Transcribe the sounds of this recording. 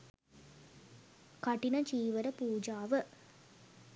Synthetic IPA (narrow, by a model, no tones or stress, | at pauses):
kɐʈinɐt͡ʃiːʋɐɾɐpuːd͡ʒaːʋə